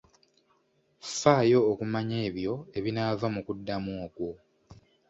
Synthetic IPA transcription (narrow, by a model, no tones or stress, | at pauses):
faːjo̞ːkumaɲe̞ːβjo̞e̞βinavamukudːamwoːkwo̞